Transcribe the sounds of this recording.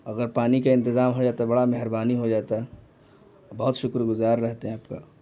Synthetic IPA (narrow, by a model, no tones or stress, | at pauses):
ɐɡəɾpaːnikaɪ̃nt̪ɪzaːmɦod͡ʒaːt̪abɐɽamɛɦɪɾbaːniɦod͡ʒaːt̪aɦɛ | bɐɦʊt̪ʃʊkɾɡʊzaːɾːɛɦt̪eɦɛ̃aːpka̰